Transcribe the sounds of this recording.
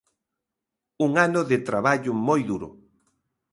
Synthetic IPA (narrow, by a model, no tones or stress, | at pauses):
uŋanʊðɪt̪ɾaβaʎʊmojðuɾʊ̰